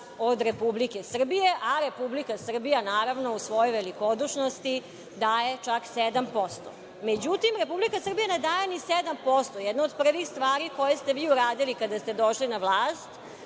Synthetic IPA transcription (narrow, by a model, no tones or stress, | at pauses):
od̪ɾe̞publike̞sr̩bijeʔaɾe̞publikasr̩bijanaːɾaʋnousʋojojʋelikod̪uʃnost̪i | d̪aːje̞t͡ʃaksed̪ampo̞st̪o̰ | med͡ʑut̪imɾepublikasr̩bijaned̪aːjenised̪ampost̪ojɛd̪nood̪pr̩ʋixst̪ʋaːɾiko̞jest̪eʋiːuɾaːd̪ilikad̪ast̪ed̪oʃlinaʋlˠaːst̪